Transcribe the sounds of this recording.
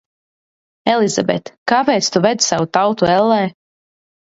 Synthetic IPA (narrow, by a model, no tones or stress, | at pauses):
ɛlˠizabɛt̪kaːpɛːt̪st̪uvɛd̪savut̪awt̪uɛlˠːɛː